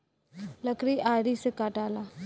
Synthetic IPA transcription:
ləkɾiːʔaːɾiːsekaːʈaːla

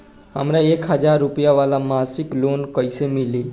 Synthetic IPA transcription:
ɦəmɾaekɦəd͡ʒaɾːupjaʋalamasiklonkəjsemili

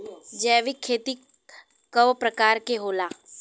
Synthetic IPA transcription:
d͡ʒɛːʋikʰːeːt̪i | kəʋpɾəkaːɾkeɦoːlaː

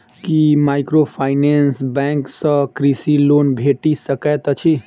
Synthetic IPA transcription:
kimaɪkɾopʰaɪnensbɛ̃ŋksə̃kɾisilonbʱeʈisəkɛt̪t͡ʃʰi

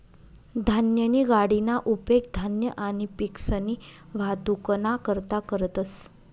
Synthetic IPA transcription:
d̪ʱanjəniːɡaɽinaʔupek̚d̪ʱanjəʔañipiksəniʋ̤ad̪ukənakəɾt̪akəɾət̪əs

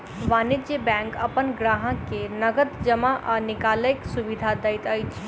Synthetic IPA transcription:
ʋaːnid͡ʒebɛ̃ŋkəpənɡɾaːɦə̃kenəɡət̪d͡ʒəmaʔanikaːləjksuʋid̪ʱad̪əjt̪əjt͡ʃʰ

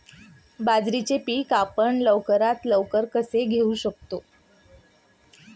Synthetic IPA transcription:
bad͡zɾit͡ɕepiːkapəɳləʋkəɾat̪ləʋkəɾkəseɡʱeuɕək̚t̪o

